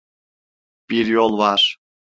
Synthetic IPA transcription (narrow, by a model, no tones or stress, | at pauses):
piɾjolˠβɑʃ